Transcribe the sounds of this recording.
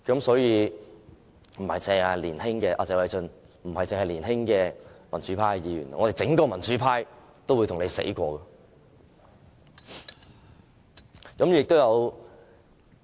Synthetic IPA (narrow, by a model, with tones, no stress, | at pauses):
kɐ˨˥msɔː˨˥jiː˨˧ | m̩˨˩hɐ˨jt͡sɛ˨ŋɐ˨liː˨˩nhɪ˥ŋkɛː˧ʔaː˧˩t͡sɛː˨wɐ˨˧jt͡sɵ˨˧n | m̩˨˩hɐ˨jt͡sɪ˨ŋhɐ˨jliː˨˩nɦɪ˥ŋkɛː˧mɐ˨˩nt͡syː˨˥pʰaː˥jiː˨˧jy̰ː˨˩n˨ŋɔː˨˧te˨jt͡sɪ˨˥ŋkɔː˧mɐ˨˩nt͡syː˨˥pʰaː˥j | t̪o˥wu˨˧jt̪ʰʊ˨˩nle˨˧sḛ˨˥jkʷɔː˧kɐː˧ | kɐ˨˥mjy˨jɪ˨k̚t̪o˥wjɐ˨˧w